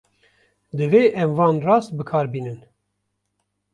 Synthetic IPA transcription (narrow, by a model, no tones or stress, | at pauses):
d̪ɨveːʔɛmvɑːnrɑːst̪̚bɨkʰɑːɾbiːnɨn